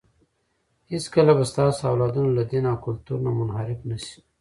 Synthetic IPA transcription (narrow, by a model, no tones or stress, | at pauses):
hiskəlabast̪ɑːsoawlɑd̪unolad̪enɑkʊlt̪uɾnamʊnhaɾɪfnəsi̥